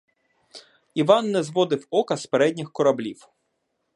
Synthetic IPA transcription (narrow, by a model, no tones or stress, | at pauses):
iʋɑnːɛzʋɔd̪ɪwɔkɐspeɾɛdʲnʲɪxkɔɾɐblʲiw